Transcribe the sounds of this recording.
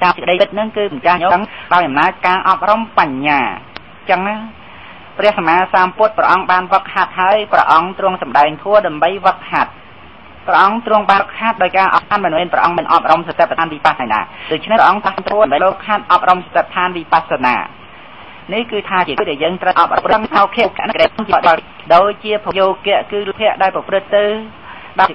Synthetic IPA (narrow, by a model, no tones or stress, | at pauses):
t̪aːmsəkə̆ɗəjpɨt̪̚nɨŋkɨːmt͡ɕahɲoːŋɗaɔjʔɑmnaːc̚kaːʔɑp̚rɑmpaɲːaː | t͡ɕəŋna | prɛ̆əhsamaːsaːmpŭət̪̚prɛ̰ʔɑŋɓaːnʋəkʰhat̪̚ɦaəjprɛ̰ʔɑŋt̪ruəŋsɑmɗaɛŋt̪ʰuəɗaɛmɓəjʋəkʰhat̪̚ | prɛʔɑŋt̪rʊəŋɓaːkʰːat̪̚ɗaɔjkaːʔɑat̪̚mɨnmɛːnprɛ̰ʔɑŋmɨnʔɑp̚rɑmsat̪ep̚ːt̪ʰaːnʋiːpatajna̰ːɗoːc̚t͡ɕʰnɛʔɑŋt̪asnt̪ʰuəmɓəloːkʰːaːt̪̚ʔɑp̚romsɑt̪eːp̚t̪ʰaːnʋiːpasana̰ː | nihkɨːt̪ʰaːt͡ɕiəkːɗaɛljəːŋt̪rəʔɑp̚rɑprɨŋʔakʰɛ̆əkɛ̆əʔnɨkəɗəj̚ɨŋt͡ɕiəɗəɑl | ɗoːc̚t͡ɕiəpʰojoːkɛ̆əʔkɨːlpʰɛ̆əʔɗaɛlprɑprɨt̪ːɨw | ɗa